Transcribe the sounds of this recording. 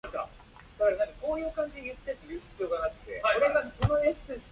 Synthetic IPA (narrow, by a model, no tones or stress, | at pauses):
asa̰ | d̪̥akaɾenãŋkako̞ːjɯ̟ːkãɲ̟d͡ʑid̪ejɯ̟t̪ːe̞t̪ːejɯ̟ːɕi̥t͡sɨjo̞ːɡanakɯ̟̥t̪e̞oɾeɡ̪asonoeɕt͡sɨs